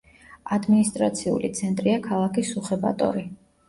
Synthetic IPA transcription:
ad̪minist̪ʼɾat̪sʰiṵlḭt̪sʰɛnt̪ʼɾiakʰalˠakisuχɛba̰t̪ʼɔ̰ɾi

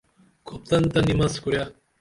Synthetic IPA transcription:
kʰop̚t̪ɐnt̪ɐnimɐskuɾja

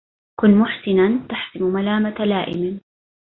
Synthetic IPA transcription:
kʊnːmʊħsɪnant̪aħsɪmmalaːmat̪alaːʔɪ̰mɪ

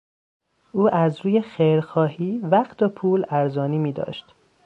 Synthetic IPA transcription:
ʔuːʔæzɾuːjexejɾxɒːhiːvæχt̪ʰopʰuːlæɾzɒːniːmiːd̪ɒ̰ːʃt̪

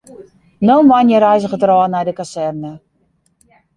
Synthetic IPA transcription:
nonʋanjəɾɛjzəɣətrɔənɛjdəkasɛrnə

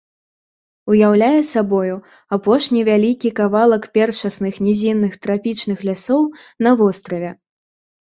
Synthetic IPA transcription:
ujawlʲajɛsabɔju | apɔʂnʲivʲalʲikʲikavalˠɐkpʲɛrt͡ʂɐsnɨxnʲɛzʲinːɨxt̪ɾapʲit͡ʂnɨxlʲasɔwnɐvɔst̪ɾɐvʲɛ

